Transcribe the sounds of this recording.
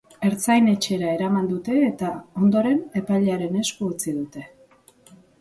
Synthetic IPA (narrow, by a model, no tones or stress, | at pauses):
e̞ɾt͡sajne̞t͡ʃe̞ɾae̞ɾamand̪ut̪e̞ːt̪ao̞nd̪o̞ɾe̞ne̞pajʎaɾe̞ne̞skuːt͡sið̞ut̪e̞